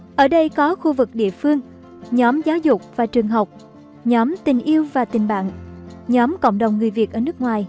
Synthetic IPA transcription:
ʔəː˧˩ɗə˧jkɔ˨˦xu˧vɨ˨˩k̚ɗḭ˧˨əfɨ˧əŋ | ɲɔ˨˦mzaː˨˦wzʊ˨˩k͡p̚vaː˨˩t͡ɕɨ˨˩əŋɦə˨˩wk͡p̚ | ɲɔ˨˦mt̪ï˨˩ŋ̟ʔi˧əwvaː˨˩t̪ï˨˩ŋ̟ɓa̰ː˧˨ŋɲɔ˨˦mkə̰˧˨wŋ͡mɗə˨˩wŋ͡mŋːɨ˨˩jvi˨˩ət̚ʔəː˧˩nɨ˦˥ək̚ŋwaː˨˩j

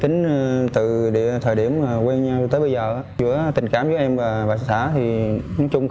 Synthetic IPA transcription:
t͡ɕï˨˦ŋ̟˧t̪ɨ̰˧˨ɗḭ˧˨ət̪ʰəː˨˩ɗi˧˩əm˨˩kwɛː˧nɲaː˧wt̪əː˨˦ɓə˧zəː˨˩ʔa˨˧˦zɨ̰˧˥ət̪ï˨˩ŋ̟kaː˧˨˩mzɨ˧˦ʔɛ˧mvaː˨˩ɓaː˧˨jssa̰ː˧˩t̪ʰi˨˩nɔ˨˦jt͡ɕʊ˧ŋ͡m

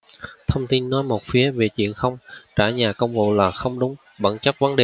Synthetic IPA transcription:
t̪ʰə˧wŋ͡mt̪i˧nːɔ˨˦jmo˨˩t̚fi˨˦əve˨˩t͡ɕwḭ˧˨ənxə˧wŋ͡mt͡ɕaː˧˩ɲaː˨˩kə˧wŋ͡mvo̰˧˨laː˨˩xə˧wŋ͡mɗʊ˨˦ŋ͡m | ɓə̰˧˩nt͡ɕə˦˥p̚və˨˦nɗe˨˩

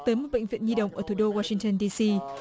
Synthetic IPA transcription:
t̪əː˨˦jmo˨˩t̚ɓḛ˧˨ŋ̟vḭ˧˨ənzi˧ɗə̰˧˨wŋ͡mʔəː˧˩t̪ʰu˧˩ɗo˧waː˧sï˧ŋt̪ə˧˩nɗi˧si˧

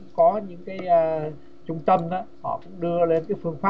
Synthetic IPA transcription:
ŋ͡mkɔ˨˦ɲɨ̰˧˥ŋkaː˨˦jʔəː˧ | t͡ɕʊ˧ŋ͡mt̪ə˧mʔaː˨˦hɔ̰˧˨kʊ̰˧˥ŋ͡mɗɨ˧əle˧nkaː˨˦jfɨ˧əŋfaː˦˥

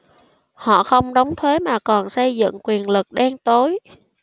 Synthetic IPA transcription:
hɔ̰˧˨xə˧wŋ͡mɗə˨˦wŋ͡mt̪ʰwe˨˦maː˨˩kɔ˨˩nsə˧jzɨ̰˧˨ŋkwi˨˩ənlɨ˨˩k̚ɗɛ˧ŋt̪o˨˦j

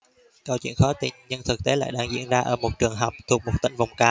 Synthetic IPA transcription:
ka˧wt͡ɕwḭ˧˨ənxɔ˨˦˥t̪ḭ˧˩nɲə˧nt̪ʰɨ˨˩k̚t̪e˨˦la̰ː˧˨jɗaː˧ŋzḭ˧˨ənzaː˧ʔəː˧˩mo˨˩t̚t͡ɕɨ˨˩əŋɦa˨˩wk͡p̚t̪ʰu˨˩ək̚mo˨˩t̪ï˧˨ŋ̟va˨˩wŋ͡mkaː˨˦

